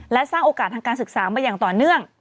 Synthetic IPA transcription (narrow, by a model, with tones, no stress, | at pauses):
lɛ˦˥saː˥˩ŋʔoː˧kaː˨˩t̪ʰːa˧ŋkaː˧nsɯ˨˩k̚saː˩˦maː˧jaː˨˩ŋt̪ɔː˨˩nɯ˥˩əŋ